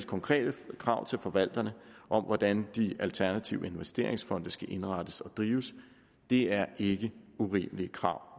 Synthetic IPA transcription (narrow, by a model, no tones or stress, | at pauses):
skʰɒ̽ŋkʰʁɛ̰ːd̥əkʰʁɑ̈ʊ̰t͡sʰe̝lfɒ̽ʋæl̰d̥ɐnəʔɒ̽mʋɒd̥ænd̥iælt͡sʰæɐnæt͡sʰiʊəe̝nʋesd̥e̝ɐ̰e̝ŋsfɒ̽n̰d̥əsɡ̥æʔe̝nʁɑd̥əsɒ̽d̥ʁiːʊəs | d̥e̝æɐʔe̝ɡ̥əuʁḭːməlikʰʁɑ̈ʊ̰